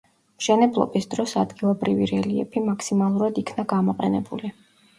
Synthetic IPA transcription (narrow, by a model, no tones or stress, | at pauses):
mʃɛnɛblˠɔ̰bisd̪̥ɾɔsad̪ɡilˠɔbɾiviɾɛliɛ̰pʰimakʰsimalˠuɾad̪ikʰnaɡamɔqʼɛnɛbuli